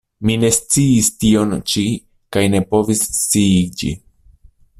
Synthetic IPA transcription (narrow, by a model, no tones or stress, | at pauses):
mine̞st͡siistio̞nt͡ʃi | kajne̞po̞vist͡sid͡ʒḭ